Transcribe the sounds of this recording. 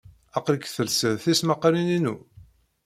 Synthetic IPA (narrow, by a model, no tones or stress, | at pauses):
ɑqɾəkθəlsəðθismaqɾininṵ